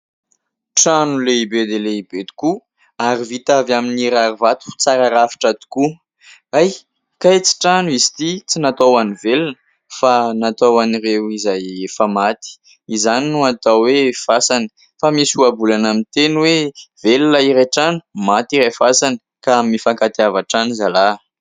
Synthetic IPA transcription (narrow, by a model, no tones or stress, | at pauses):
ʈ͡ʂanuleibed̪eleibed̪i̥ku | aɾivit̪avaminiɾaɾivat̪u̥t͡saɾaɾafi̥ʈ͡ʂad̪i̥ku | aj | kajt͡si̥ʈ͡ʂanuizi̥t̪it͡sinat̪owanivelinə̥ | fanat̪owanirewizajefəmat̪i̥ | izaninuat̪awefasanə̥ | famisuabulanamint̪enwevelinaiɾaʈ͡ʂanu̥mat̪iɾafasanə̥ | kamimifaŋkat̪iavaʈ͡ʂanizala